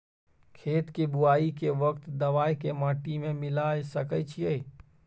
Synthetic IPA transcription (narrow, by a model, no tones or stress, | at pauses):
kʰeːt̪kebʊaːikeʋəkt̪d̪əʋaːjkemaːʈimẽmɪlasəkət͡ʃʰiɛ